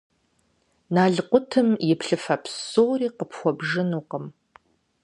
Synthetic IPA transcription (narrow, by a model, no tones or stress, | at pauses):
naːɮqʷʊtʰɨmjɪpʰɬɨfɐpʰsowriːqəpʰxʷɔbʒɨnuːqəm